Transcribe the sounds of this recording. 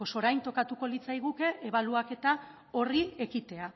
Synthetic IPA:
oso̞ɾajnt̪o̞kat̪uko̞lit͡sajɣ̞uke̞ʔeβaluake̞t̪a | o̞rie̞kit̪e̞a

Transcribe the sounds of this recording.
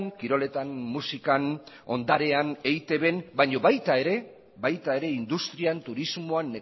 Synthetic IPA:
ŋkiɾo̞le̞t̪anmusikan | o̞nd̪aɾe̞ane̞jt̪e̞βe̞nbaɲo̞βajt̪ae̞ɾe̞ | bajt̪ae̞ɾe̞ind̪ust̪ɾiant̪uɾizmoanːe

